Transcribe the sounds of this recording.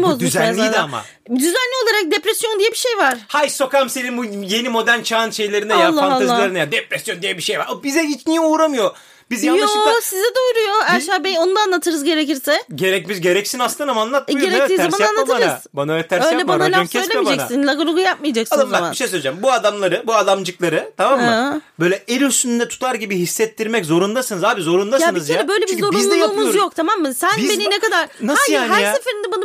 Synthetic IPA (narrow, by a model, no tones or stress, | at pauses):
bozmyuʃzænlːʲid̪ɛama̰ | d̪yzænlʲio̞lˠaɾak̚d̪epɾɛsjond̪ijɛbiʃejvaɾ̥hajso̞kamsenimbujenimo̞d̪ænt͡ʃʰaːnʃe̞jlʲeɾinɛjalˠːafanalazːˠilˠaɾinjad̪epɾɛsjo̞nd̪ijɛbiʃejva̰ɾabizɛit͡ʃnijɛuːɾamɯjo̞ | bizjanj̪oʃsizɛd̪ɛuɾujo̞æɾʃabenonud̪anlˠat̪ʰɯɾɯzɟe̞ɾeciɾsɛɟe̞ɾɛc̚bizɟe̞ɾɛcsinast̪ːanamaːnˠat̪meɾɛt̪iːzamananˠat̪ɯɾɯzbanaølɛt̪ʰæɾøjalɛmbanalʲaasʰejlʲemid͡ʒɛk̪ssinlʲˠaɡoɾˠuɡujap̚majad͡ʒaksalˠambænmaiʃe̞jsølʲed͡ʒæmbuad̪amlˠaɾɯbuad̪amd͡ʒɯklˠaɾɯt̪ʰamamːbø̞jlʲɛeɾyst̪ynnd̪ɛt̪ʰu̥t̪ʰaɾɟibiɦisːɛt̪ːiɾmɛczo̞ɾund̪asɯnɯzaːbizo̞ɾund̪ajaɯnɯzjøɾɛbø̞jlʲɛbizzo̞ɾunlːjˠumuzjok̚t̪ʰamamːɯsænbeninekad̪aɾ̥naasjaɦɾsefeɾind̪ɛbanɯ